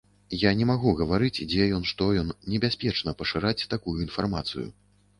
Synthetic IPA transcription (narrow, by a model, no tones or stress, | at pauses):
janʲɛmaɣuɣɐvaɾɨt͡sʲd͡zʲɛjɔnʂt̪ɔjɔnːʲɛbʲasʲpʲɛt͡ʂnɐpɐʂɨɾat͡sʲt̪akujuinfarmat̪sɨ̰jṵ